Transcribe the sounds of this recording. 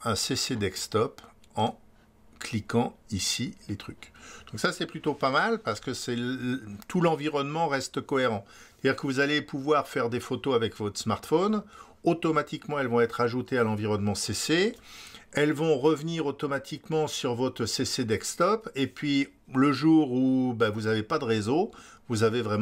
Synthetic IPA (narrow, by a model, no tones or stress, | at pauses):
ɛ̃sesed̪ɛkst̪ɔp | ɑ̃ | klikɑ̃isilet̪χykd̪̥ɔ̃ksasɛplyt̪opamalpaʁsə̥kəsɛt̪ʰulɑ̃viʁɔnmɑ̃ʁɛst̪əkɔeʁɑ̃se̥t̪ad̪iʁkəvuzalepuvwaʁfɛʁd̪efot̪oavɛkvɔt̪χsmaʁt̪fɔn | ot̪ɔmat̪ikmɑ̃ɛlvɔ̃ɛt̪χaʒut̪ealɑ̃viʁɔnmɑ̃sese | ɛlvɔ̃ʁəvniʁot̪ɔmat̪ʰikmɑ̃syʁvɔt̪χəsesed̪ɛkst̪ɔpepɥi | ləʒuːʁubavuzavepad̪əʁezo | vuzavevʁɛm̃